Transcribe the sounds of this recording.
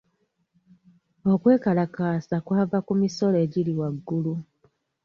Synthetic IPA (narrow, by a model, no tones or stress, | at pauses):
okwe̞ːkalakaːsakwaːvakumiso̞leɟiliwaɡːulu